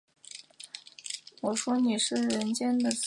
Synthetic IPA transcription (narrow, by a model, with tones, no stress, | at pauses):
wɔ˨˩ʂwɔ˥ni˨˩ʂɻ̩˥˩ɻə˧˥nt͡ɕjɛ˥nd̪ə˨t͡s